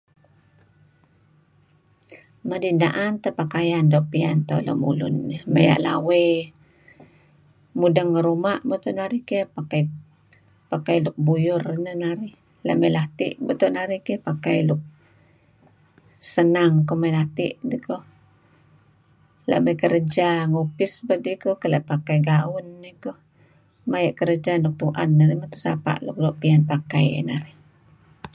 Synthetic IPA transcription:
madindaʔant̪əpakajandopiant̪a̰lo̰mṵlʊ̰nːəmə̰ja̰ʔla̰we | mudəŋːəɾumaʔbət̪uʔnaɾikepakaj | pakajluʔ̚bujʊrnənaɾi | la̰ʔməjlat̪iʔbət̪uʔnaɾikepakajlʊʔ̚ | sənaŋkomajlat̪ḭʔdikoh | la̰ʔməjkəɾəd͡ʒaŋopɪsbədikohkəlaʔpakajɡaʊnːəkoh | majaʔkəɾəd͡ʒanuk̚t̪uʔa̰nːaɾimat̪u̥sa̰pa̰ʔluk̚loʔpianpakaj̰naɾih

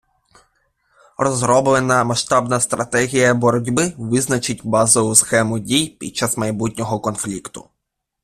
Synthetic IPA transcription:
rɔzɾɔblˠenɐmɐʃt̪ɑbnɐst̪ɾɐt̪ɛɦʲijɐbɔɾɔdʲbɪʋɪznɐt͡ʃɪt̚ʲbɑzɔʋʊsxɛmʊdʲijpʲḭd̥̪̚t͡ʃɑsmɐjbutʲnʲɔɦɔkɔnflʲikt̪ʊ̰

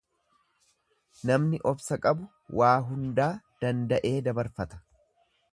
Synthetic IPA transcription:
nɐmnɪʔɔbsɐkʼɐbʊ | wʔaːɦʊnd̪aːd̪̥ɐnd̪ɐʔe̞ːd̪ɐbɐɾfɐt̪ɐ̥

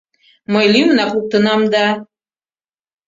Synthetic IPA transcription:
mɤjlʲimnɑkuk̚t̪ənɑmd̪ɑ

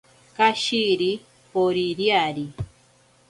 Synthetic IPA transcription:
kaʃiɾi | poɾiɾjaɾi

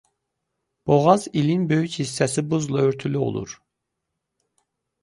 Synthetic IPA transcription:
b̥oʁɑzilinbø̞jychisːæsibuzlˠɑøɾt̪ʰylyo̰lˠṵɾ

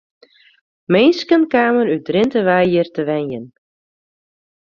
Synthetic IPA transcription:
mejnskənkaːməɾydrɪntəʋajərtəʋɛnjən

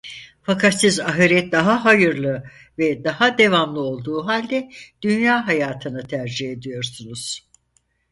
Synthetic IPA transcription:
fakʰat̪sizaɦɯɾɛt̪̚d̪aɦaɦajɯɾlˠɯ | vɛd̪ahad̪e̞vamlˠɯo̞lˠd̪uːɦalʲd̪ɛd̪̥ynjaːɦajaːt̪ʰɯnɯt̪ʰæɾd͡ʒihe̞d̪ijo̞ɾsunuz̥

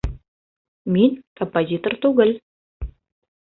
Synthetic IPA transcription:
minʲkompozʲit̪ort̪uɣə̆lʲ

